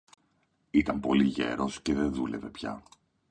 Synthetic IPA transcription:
it̪ɐmpo̞liʝe̞ɾo̞sce̞ðe̞nðule̞ve̞pçɐ̰

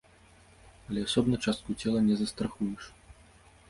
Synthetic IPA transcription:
ɐlʲɛasɔbnɐt͡ʂast̪̚kut͡sʲɛlˠɐnʲɛzɐst̪ɾaxujɛʂ

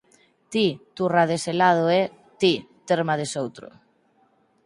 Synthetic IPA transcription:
t̪it̪uraðeselað̞ʊɛ | t̪it̪eɾmaðesowt̪ɾʊ̰

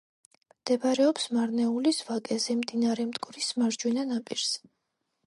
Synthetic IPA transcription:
md̪̥ɛbaɾɛɔpsmaɾnɛulisvakʼɛzɛmd̪inaɾɛmd̪ɡʼɾismaɾd͡ʒwinanapʼiɾs

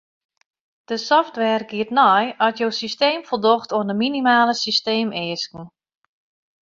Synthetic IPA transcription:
d̥əsɔftʋɛrɡiətnɔjɔtjowsisteːmfərdɔxtoəndəminimaːləsisteːmɪːskn̩

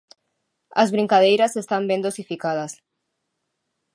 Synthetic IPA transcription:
ɐzβɾĩŋkaðejɾasest̪ambend̪osifikað̞ɐs

